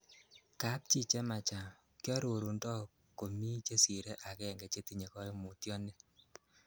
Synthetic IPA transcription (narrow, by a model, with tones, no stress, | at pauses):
ka˦p̚t͡ʃi˦˨t͡ʃɛ˦ma˨t͡ʃa˨ | kjɔ˦ɾo˨ɾu˨ndɔ˦ | ko˨mi˦t͡ʃe˦si˨ɾe˦ʔa˨kɛ˦˨ŋɡɛ˨t͡ʃe˦ti˦ɲe˨kɔ˦mu˨tjɔ˦nɛ˦